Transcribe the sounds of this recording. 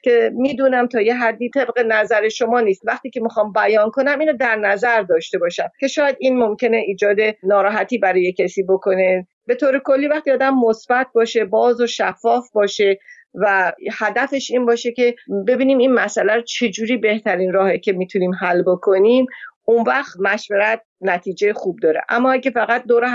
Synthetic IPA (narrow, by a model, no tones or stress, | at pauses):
cʲʰe̞miːd̪uːnæmt̪ʰɒːje̞ɦæd̪ːiːt̪ʰe̞bɣe̞næzæɾe̞ʃo̞mɒːniːst̪væχt̪iːcʰe̞mixɒːmbæjɒnkʰo̞næmiːnod̪æɾnæzæɾd̪ɒːʃt̪e̞bɒːʃæmce̞ʃɒːjæd̪iːnmo̞mcʰe̞ne̞ʔiːd͡ʒɒːd̪e̞nɒːɾɒːɦæt̪ʰiːbæɾɒːjecʰesiːbo̞kʰo̞ne̞ | be̞t̪ʰoːɾe̞ko̞lːiːvæχt̪iɒːd̪æmːosb̥æt̪̚bɒːʃe̞bɒːzoʃæfːɒːfbɒːʃe̞ | væhæd̪æfe̞ʃinbɒːʃe̞ce̞be̞biːniminmæsʔælæɾot͡ʃʰe̞d͡ʒuːɾiːbe̞ht̪ʰæɾinɾɒːhecʰe̞miːt̪ʰuniːmɦælːbokʰo̞nimunvæxt̪mæʃveɾæt̪̚næt̪ʰiːd͡ʒejexuːb̚d̪ɒːɾḛʔæ̰mːɒːæɟefæɣæt̪̚d̪oːɾe